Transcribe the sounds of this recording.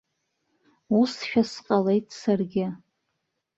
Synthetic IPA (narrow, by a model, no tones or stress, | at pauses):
usʃᶣasqʼale̞jtʰʼsarɡʲɪ